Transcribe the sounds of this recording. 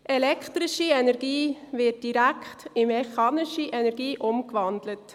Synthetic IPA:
ʔɛlɛkʰtɾɪʃiɛnɛɾɡiːʋɪt̚d̥iɾæktɪmɛχɑːnɪʃiʔɛnɛɾɡiːʔʊmkʋɑndlət

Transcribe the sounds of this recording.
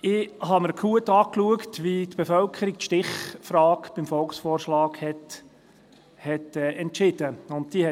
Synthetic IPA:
ɪhɑməɾkʰuətɑːkluəktʋitb̥efœlkʰəɾik̚tʃtɪχfrɑːkb̥ɪmfɔlksfɔːrʃlɑːkhɛt | hɛtɛːʔɛntʃɪd̥əʊntd̥̪iəhɛ

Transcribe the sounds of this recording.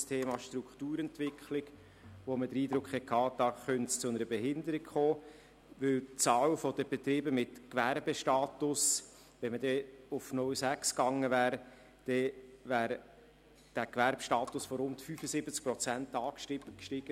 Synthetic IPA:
stʰeːmɑʃt̪ɾukχt̪uːɾɛntʋɪkχlɪɡ̥ | ʋomədəɾiːd̪ɾʊkχhɛkʰːɑːd̥̪ɑχœntst͡sʊnəɾəbeɦɪnd̪əɾikχoː | ʋɵlt͡sɑːlfɔd̥əb̥et̪ɾɪːbəmɪtkʋæɾbəʃtɑːt̪ʊs | ʋɛnmədɛʊfnʊlsækskɑŋːəvæːɾ | d̥ɛʋæːɾ | d̥ækʋæɾbʃtɑːtʊsfɔɾʊntfyfəsɪb̥ət͡sk̚pɾɔt͡sæntɑːkʃtɪbkʃtɪɡ̥ə

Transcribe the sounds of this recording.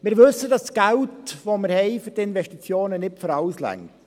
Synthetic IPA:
mɪɾʋɵsːədɑstɡ̥æltvoməɾhɛɪfyɾtɪnvɛʃtit͡sjoːnənɪpfɔɾɑwslæ̰ŋ

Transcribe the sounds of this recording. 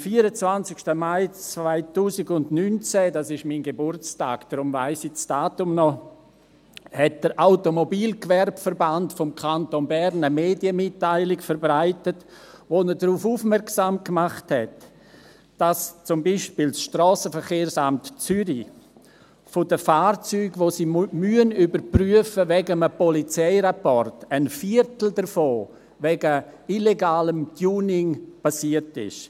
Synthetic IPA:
mfiːəɾət͡svant͡sɪkʃtəmaɪt͡svaɪtuːsɪɡʊndnynt͡sɛdasɪʃminɡebʊrt͡sta̰ːkd̥ɾʊmvaɪsɪt͡sd̥aːtʊmnɔ | hɛt̚d̥əɾʔaʊtomobiːlkvɛrbfəɾbantfɔmkʰantonbɛɾnəmeːdjəmɪtːaɪlɪkfəɾbɾaɪtət | ʋonədɾuːfuːfmɛɾksaːmkmaχthɛt | d̥ast͡sʊmbiʃpiːlsʃtrɔːsəfəɾχeːɾsamtt͡syɾi | fodəfaːɾt͡syːɡʋosiːmyənybəɾpryəfəvɛɡəməpɔlit͡sɛɪɾapɔrtənfiɾtl̩dəɾfoː | ʋɛɡəileɡaːləmɡjuːnɪŋpasiətɪ̰ʃ

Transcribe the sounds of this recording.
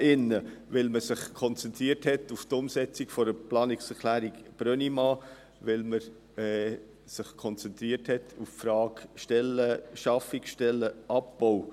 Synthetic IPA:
ʔɪnːəʋɪlməsɪχkʰɔnt͡sɛnt̪ɾiːəɾthɛtuft̪ʊmsɛt͡sikfɔɾəplɑːnɪksɛkʰlæːɾikb̥ɾœnimɑː | ʋɪlməɾ | ɛ | sɪχkʰɔnt͡sɛnt̪ɾiəthɛtʰuffɾɑːkʃtɛləʃɑfɪkʃtɛlːəʔɑp̚b̥oʊ

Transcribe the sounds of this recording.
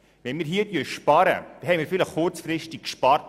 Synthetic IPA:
ʋɛnmiːɾɦiətyəʃpɑɾə̰d̪̥ɛɦɛɪmiːɾfɪləχkʊrt͡sfrɪʃtɪkʃpɑrt

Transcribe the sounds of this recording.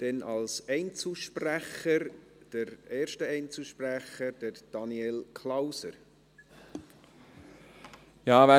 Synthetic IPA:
d̥ɛnʔɑlsɛɪnt͡suʃpræχəɾd̥əɾeːʃtəɛɪnt͡suʃpræχəd̥əɾd̥ɑniɛlkʰlawsə̰ɾ | jɑːvæ

